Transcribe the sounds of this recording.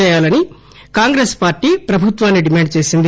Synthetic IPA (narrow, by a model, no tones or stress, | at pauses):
ɛːjaːlɐni | kaːŋɡɾeːspaːɾʈiːpɾɐbʱut̪ʋaːnːiɖimaːɳɖ̚t͡ʃe̞ːsind̪i